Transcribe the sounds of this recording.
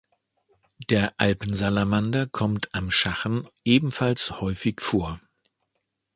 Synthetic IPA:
d̥eːɐʔalpn̩zalamandɐkʰɔmtʰamʃaχən̩ʔeːbm̩falshɔʏfɪçfoːɐ

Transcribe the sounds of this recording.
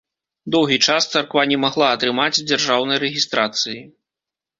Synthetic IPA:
d̪ɔwɣʲit͡ʂast̪sarkvanʲɛmaɣlˠaɐt̪ɾɨmat͡sʲd͡zʲarʐawnɐjɾɛɣʲist̪ɾat̪sɨji

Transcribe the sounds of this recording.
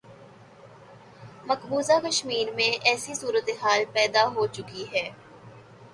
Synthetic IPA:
mɐkbuːzakəʃmiːɾmẽʔɛːsisuːɾət̪eɦaːlpɛːd̪aɦot͡ʃʊkiɦɛː

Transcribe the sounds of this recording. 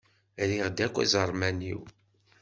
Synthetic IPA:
ɾiʁd̪ækʷːæ̰zəɾˤmænḭw

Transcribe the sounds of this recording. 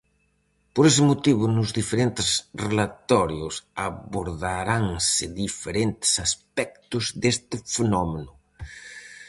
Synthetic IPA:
poɾes̬ɪmot̪iβʊnʊzðifeɾent̪ɪsrelat̪ɔɾjʊsaβoɾðaɾaŋsɪðifeɾent̪ɪ̥saspɛk̚t̪ʊzðest̪ɪfenɔmenʊ

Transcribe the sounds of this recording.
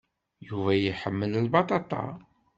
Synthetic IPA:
juvæjiħəmːəllbɑt̪ˤɑt̪ˤɑ̰

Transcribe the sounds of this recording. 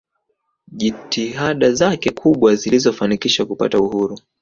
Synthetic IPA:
ʄitiɦaɗazakɛkʰuɓwazilizɔfanikiʃakupa̰tauhuɾu

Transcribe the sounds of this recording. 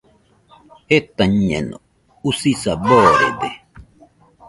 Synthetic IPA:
het̪aɲḛno̰ | usisaboːɾḛd̪e

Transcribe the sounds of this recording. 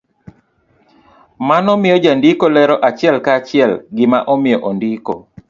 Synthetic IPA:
manɔmɪjɔd͡ʒandikolɛɾɔʔat͡ʃɪɛlkat͡ʃɪɛlɡɪma̰ʔɔmɪjɔʔondiko̰

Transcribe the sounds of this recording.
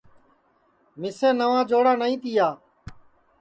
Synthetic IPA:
mɪsẽːnəʋãːd͡ʒoːɽaːnəĩːt̪ɪjaː

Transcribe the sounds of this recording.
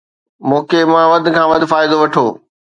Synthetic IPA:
mõːkʰemãʋɐd̪̆ʱkʰãːʋɐd̪ʱfaːɪd̪oʋɐʈʰoː

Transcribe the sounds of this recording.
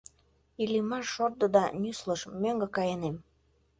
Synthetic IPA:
ilimɑʃord̪ə̆d̪ɑnysləʃmøŋɡə̆kɑjənem

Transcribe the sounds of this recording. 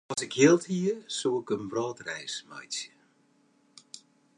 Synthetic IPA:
ɔsɪkjiəlˠthiəsuːɪkənbrɔːtrɛjsmɔ̰jsjə

